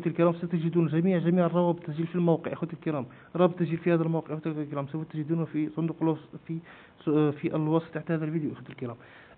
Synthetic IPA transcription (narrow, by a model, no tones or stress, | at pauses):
t̪əlkəɾæmsæt̪əʒd̪unʒæmiʕʒæmiʕərˤːɑwæbət̪ˤʒilfilmowqəʕʔəxwæt̪əlkəɾæm | ɾˤɑbət̪ˤːəʒilfihæd̪ælmowqəʕʔxwt̪əllkəɾæmsæfæt̪ːəʒəd̪unfisˤʊnd̪uqlusfi | fiʔəlwɑsˤt̪ːaħt̪æhæd̪ælvid̪juʔæxwut̪əlkəɾæm